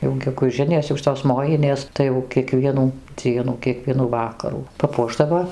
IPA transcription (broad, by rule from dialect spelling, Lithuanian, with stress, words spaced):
jɛʊ ɡʲɛɡʊˈʒʲɪnʲeːs jɛʊ ˈʃʲɪtoːs ˈmoːjɪnʲeːs ˈtɐɪ jɛʊ kʲiɛˈkʋʲiɛnuː ˈd͡zʲiɛnuː kʲiɛˈkʋʲiɛnuː ˈʋɑːkɐruː pɐˈpuɔʒdɐʋoː